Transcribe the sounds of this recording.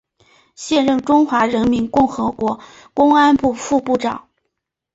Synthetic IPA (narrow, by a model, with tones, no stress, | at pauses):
ɕjɛ˥˧nɻə˥˩ŋʈ͡ʂʊ˥ŋxwa˧˥ɻə˧˥nmi˧˥nkʊ˥˩ŋxɤ˧˥kwɔ˧˥ | kʊ˥ŋa˥npu˥˧fu˥˧pu˥˩ʈ͡ʂɑ˨˩˦